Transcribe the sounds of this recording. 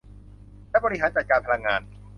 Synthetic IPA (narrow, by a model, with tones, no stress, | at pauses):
laː˥˩bɔː˧ɾi˥ɦaː˩˦nt͡ɕa˨˩t̪̚kaː˧npʰa˧la˧ŋːaː˧n